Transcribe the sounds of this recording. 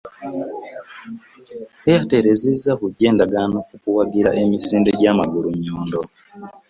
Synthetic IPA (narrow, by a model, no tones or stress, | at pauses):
ejate̞ɾe̞zizːakuɟe̞ːndaɡano̞kukuwaɡiɾa̰ʔe̞misiːnde̞ɟamaɡuluɲːoːndo̞